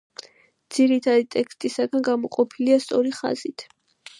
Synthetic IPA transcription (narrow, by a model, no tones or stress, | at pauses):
d̪z̥iɾit̪ʰad̪it̪ʼɛkst̪ʼisaɡanɡamɔqʼɔpʰiliast̪sʼɔɾiχa̰z̥it̪ʰ